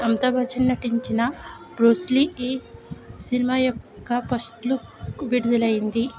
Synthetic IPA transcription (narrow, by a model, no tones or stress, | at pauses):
ɐmt̪ɐbʱɐd͡ʒɐnːɐʈiɲt͡ʃinɐ | pɾoːslie | sinimajɔkːɐpɐsʈluʋiɽud̪ulɐjind̪i